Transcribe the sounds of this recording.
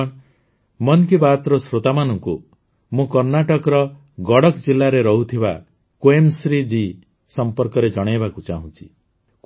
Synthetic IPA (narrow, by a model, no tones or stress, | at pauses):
mɔnkibat̪ɾɔsɾot̪amanɔŋku | mũkɔɾnaʈɔkɾɔ | ɡɔɽɔkd͡ʒilːaɾeɾɔɦut̪ʰiba | koemsɾid͡ʒi | sɔmpɔɾkɔɾed͡ʒɔɽ̃ajbakut͡ʃa̰ɦũt͡ʃʰi̥ | k